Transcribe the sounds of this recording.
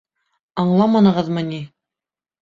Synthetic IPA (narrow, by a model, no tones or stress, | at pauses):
ɑɴlˠɑmɑnɤ̆ʁɤðmɤ̆ni